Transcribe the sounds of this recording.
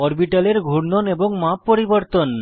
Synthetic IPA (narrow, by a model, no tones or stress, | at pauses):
ɔɾbiʈaleɾɡʱuɽnoneboŋmapːoɾiboɾt̪on